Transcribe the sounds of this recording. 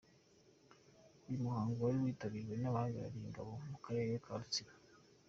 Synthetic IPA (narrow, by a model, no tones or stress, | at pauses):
ujumuhaːŋɡuwaɾiwiːtaβiːɾɡwe̞naβaːɡiɾa̰ɾiŋɡa̰βo̞mukaɾeɾeekʰaɾut͡siɾa